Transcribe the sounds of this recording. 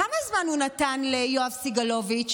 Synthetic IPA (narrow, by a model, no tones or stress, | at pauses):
amazmanhunatanlejoavsiɡalovit͡ʃ